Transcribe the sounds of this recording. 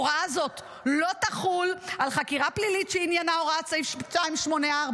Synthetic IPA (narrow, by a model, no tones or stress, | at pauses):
ʁazo̞t̪ | lo̞taχulalχakiʁaplilitʃeinjanaoʁat͡sifʃt͡ʃaimʃmo̞neaʁb